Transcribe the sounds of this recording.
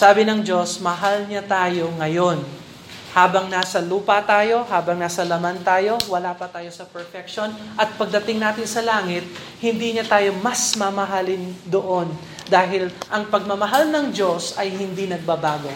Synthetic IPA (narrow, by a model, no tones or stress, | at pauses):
saːbɪnɐŋd͡ʒo̞smɐɦalɲat̪aːjo̞ŋɐjo̞n | haːbɐŋnaːsɐluːpɐt̪aːjo̞ɦaːbɐŋnaːsɐlɐmant̪aːjo̞wɐlaːpɐt̪aːjo̞sɐpɛɹfɛk̚ʃonʔɐt̪̚pɐɡ̚d̪ɐt̪ɪŋnaːt̪ɪnsɐlaːŋɪt̪̚ | hɪnd̪iːɲɐt̪aːjo̞mɐsmɐmɐɦalɪnd̪oʔo̞n | d̪aːɦɪlʔɐŋpɐɡ̚mɐmɐɦalnɐŋd͡ʒo̞sɐjhɪnd̪inɐɡ̚bɐbaːɡo̞